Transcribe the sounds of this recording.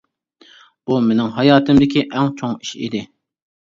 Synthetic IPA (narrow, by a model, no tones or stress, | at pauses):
b̥umenɪŋɦɑjɑːt̪ʰɨmd̪ɪkʲiʔɛŋt͡ʃʰoŋiʃḭd̪ɪ